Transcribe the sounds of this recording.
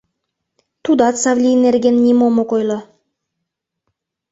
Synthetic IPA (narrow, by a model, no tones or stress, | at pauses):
t̪ʰud̪ɑt̪sɑvlʲijneɾɡʲenːʲimomoqojlˠɤ